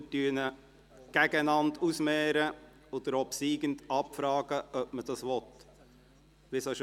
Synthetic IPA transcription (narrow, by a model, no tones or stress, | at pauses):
tyənə | ɡ̥æɡæɪnɑndusmɛːɾə | od̥̪əɾɔpsiːɡ̥əntɑpfɾɑːɡ̥əʔœpməd̥ɑsʋɔt̪ | ʋɪsoʃ